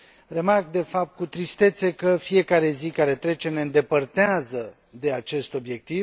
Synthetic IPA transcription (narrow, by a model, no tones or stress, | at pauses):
re̞markd̪e̞fap̚t̪̚kut̪ɾist̪e̞t̪se̞kəfije̞kaɾe̞zikaɾe̞t̪ɾe̞t͡ʃeneɨnd̪e̞pərt̪eazə | d̪e̞at͡ʃe̞st̪o̞bje̞k̚t̪iv